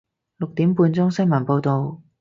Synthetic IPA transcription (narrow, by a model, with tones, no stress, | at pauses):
lʊ˨k̚t̪iː˨˥mpuː˧nt͡sʊ˥ŋsɪ˥ŋmɐ˨˩npo˧wt̪o˨w